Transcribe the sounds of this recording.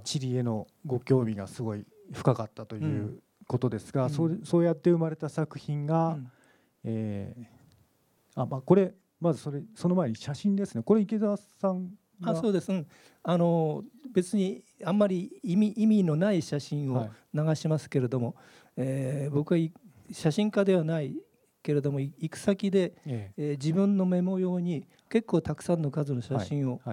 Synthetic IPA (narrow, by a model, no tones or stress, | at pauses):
t͡ɕiɾʲieno̞ | ɡo̞kʲo̞ːmʲiɡasɨɡo̞i | ɸɯ̟̥kakat̪ːat̪o̞jɯ̟ː | ko̞t̪o̞d̪e̞sɨ̥ɡasoso̞ːjat̪ːe̞ɯ̟maɾe̞t̪asakɯ̟̥çĩŋɡa | eː | amaːko̞ɾe̞ | mazɨso̞ɾe̞so̞no̞mae̞ɲ̟iɕaɕĩnd̪e̞sɨne̞ko̞ɾeike̞zaasãŋ | ɡaso̞ːd̪e̞sɨɯ̃ | ano̞be̞t͡sɨɲ̟iamːaɾʲiimʲiimʲino̞naiɕaɕĩɰ̃o | naɡaɕimasɨ̥ke̞ɾe̞d̪o̞mo̞ | eːbo̞kɯ̟βai | ɕaɕĩŋkad̪e̞β̞anai | ke̞ɾe̞d̪o̞mo̞iikɯ̟̥sakʲid̪e̞ː | d͡ʑibɯ̟̃nːo̞me̞mo̞jo̞ːɲ̟i | ke̞kːo̞ːt̪akɯ̥sãnːo̞kazɨno̞ɕaɕĩɰ̃o̞